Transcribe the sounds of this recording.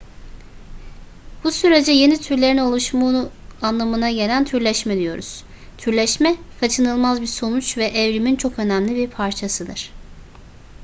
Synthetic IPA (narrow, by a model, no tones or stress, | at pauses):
b̥usyɾe̞d͡ʒɛje̞nit̪ʰyɾlʲe̞ɾino̞lˠuʃmuanlˠamɯnaɟe̞lʲænt̪ʰyɾlʲɛʃmɛd̪ijo̞̰ɾuz̥ | t̪ʰyɾlʲɛʃmɛfat͡ʃʰɯnɯlˠmazbiɾso̞nut͡ʃvɛʔːvɾimint͡ʃʰo̞kø̞næmlʲibiɾpʰaɾt͡ʃʰasɯd̪ɯɾ̥